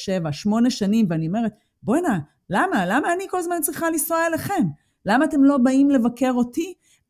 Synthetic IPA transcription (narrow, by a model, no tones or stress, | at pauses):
ʃevaʃmo̞ne̞ʃanimveaniome̞ʁet̪̚ | bona | lamalamaːniko̞lazmant͡sʁiχalisoaeleχe̞m | lamaːte̞mlo̞baimle̞vake̞ʁo̞ti